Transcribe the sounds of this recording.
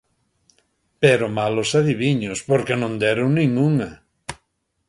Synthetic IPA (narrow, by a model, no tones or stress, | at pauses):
peɾomalosaðiβiɲospoɾkenõnd̪ɛɾoŋnĩŋuŋɐ